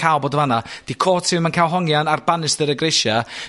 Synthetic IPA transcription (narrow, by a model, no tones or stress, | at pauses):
awboːdəvanad̥ikʰoːtʰɪmankʰawlˠɦɔŋjanarbanɪsðəɾəɡrɪʃa